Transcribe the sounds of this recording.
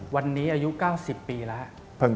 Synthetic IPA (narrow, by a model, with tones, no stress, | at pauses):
wa˧nːiː˦˥ʔaː˧ju˦˥ʔkaː˥˩wsi˨˩pːiː˧lɛ˦˥ʔ | pʰɤ˧˩ŋ